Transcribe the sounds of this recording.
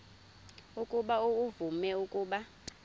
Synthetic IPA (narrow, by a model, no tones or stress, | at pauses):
ukʼuɓauuvumɛukʼuːɓa